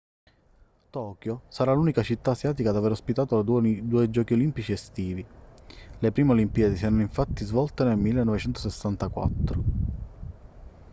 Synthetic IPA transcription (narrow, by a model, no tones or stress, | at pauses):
t̪ɔːkjosaɾaluːnikat͡ʃit̪ːaːsjaːt̪̬ikad̪aveɾospit̪aːt̪olad̪uːed͡ʒɔːkiolimpit͡ʃiest̪iːvi | lepɾiːmeolimpiad̪isiɛɾanoiɱfat̪ːizvɔlt̪enelmilːenːɔvet͡ʃɛnt̪osesːant̪akwa̰t̪ːɾo